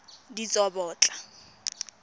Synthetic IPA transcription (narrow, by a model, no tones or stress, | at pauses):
dit͡sʼɔbɔːt͡ɬʼa